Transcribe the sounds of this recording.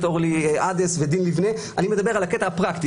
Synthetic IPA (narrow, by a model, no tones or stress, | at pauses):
t̪o̞ʁliʔad̪esve̞d̪inlivne | ʔanime̞d̪abe̞ʁalaket̪ahapʁakt̪i